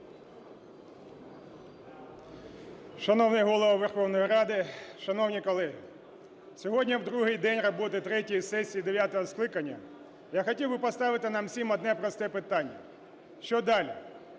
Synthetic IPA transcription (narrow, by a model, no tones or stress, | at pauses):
ʃɐnɔwnɪjɦɔlˠɔʋɔʋerxɔwnɔjiɾɑd̪ɪʃɐnɔwnʲikɔlˠɛɦɪ | sʲɔɦɔdʲnʲiwd̪ɾuɦɪjd̪ɛnʲrɔbɔt̪ɪt̪ɾɛtʲijisɛsʲijid̪eʋʲjat̪ɔɦɔsklˠɪkɐnʲːɐ | jaxɔtʲiwbɪpɔst̪ɑʋɪt̪ɪnɑmsʲimɔd̪nɛpɾɔst̪ɛpɪt̪ɑnʲːɐ̰ | ʃt͡ʃɔd̪ɑlʲi